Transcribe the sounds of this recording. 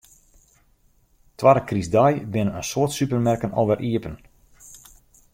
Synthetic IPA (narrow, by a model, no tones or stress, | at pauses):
tʋaɾəkrizdajbɪnəənsʊətsypərmɛrkənɔ̰lʋɛrʔiəpən